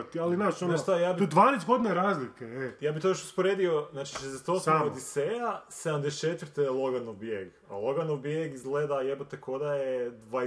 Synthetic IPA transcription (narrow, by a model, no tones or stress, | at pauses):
t̪ialinaʃonoʃt̪ajaːbid̪ʋaːnesɡo̞d̪inaeɾaːzlikeɛjaːbit̪ojoʃu̥spoɾed̪io̞znaːt͡ʃiʃezd̪eset̪osaod̪isejased̪amd̪est͡ʃet̪ʋɾt̪elˠoɡanoʋbjeɡ | a̰lˠo̞ɡanobjeɡizɡleːd̪ajebot̪eko̞d̪ajed̪ʋa